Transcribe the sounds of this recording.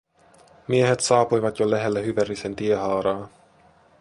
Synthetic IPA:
mie̞ɦe̞t̪sɑːpujʋɑt̪jolæɦe̞lːæhyʋærisent̪ieɦɑːɾɑː

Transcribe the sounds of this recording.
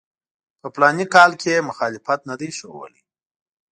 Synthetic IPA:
pəplɑnikɑlkʰemʊxɑlɪfat̪nad̪ajʃowə̰li

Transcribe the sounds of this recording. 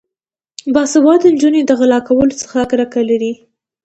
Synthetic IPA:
bɑsabɑd̪ənd͡ʒuned̪əɣalɑkawəlot͡sə̥xaɡɾakalaɾi

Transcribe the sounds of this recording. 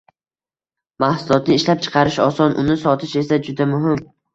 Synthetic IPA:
mahsʊlˠɒt̪nɪɪʃlap̚t͡ʃʰɨ̥qʰɑɾɪʃɒsɒnʔʊnɪsɒt̪ʰɪʃe̞sad͡ʒʊd̪amʊɦɪm

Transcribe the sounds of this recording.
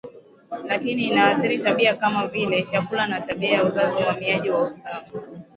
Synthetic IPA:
lakiniːnaːθiɾitaɓiakamavilɛt͡ʃakulanataɓiajauzaziwamiaʄiwaustafu

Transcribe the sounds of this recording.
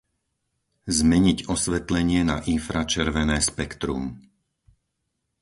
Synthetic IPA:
zmɛɲiɟɔsʋɛt̪lɛɲɪɛnaʔinfɾat͡ʃɛɾʋɛnɛːspɛkt̪ɾṵm

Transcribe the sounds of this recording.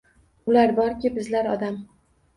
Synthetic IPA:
ʊlaɾbɒɾkʲɪbɪzlaɾɒd̪am

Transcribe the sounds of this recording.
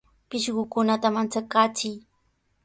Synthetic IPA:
pɪʃɢʊkʊnat̪amant͡sakaːt͡sɪj

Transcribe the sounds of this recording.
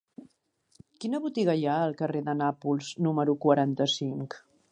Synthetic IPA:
kinəβut̪iɣəjaəlˠkəreðənapulˠznuməɾukwəɾant̪əsiŋk

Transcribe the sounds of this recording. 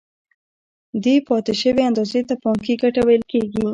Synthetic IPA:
d̪epɑt̪ɪʃəweand̪ɑzet̪apɑŋk̬iɡaʈawajəlkeɡi

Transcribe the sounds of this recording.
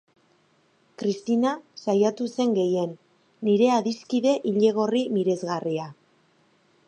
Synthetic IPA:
kɾist̪inasajat̪use̞ŋɡe̞je̞nː | iɾe̞aðiskiðe̞ʔiʎe̞ɣ̞o̞rimiɾe̞zɣaria

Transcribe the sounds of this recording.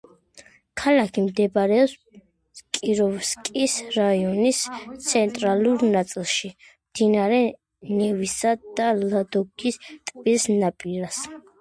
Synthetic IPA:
kʰalakʰimd̪ɛbɾɛɔps | kʼiɾɔvskʼisɾaiɔnist̪sʰɛnt̪ʼɾaluɾnat̪sʼilˠʃi | md̪̥inaɾɛ | nɛvisad̪̥alad̪ɔɡist̪ʼbilsnapʼiɾas

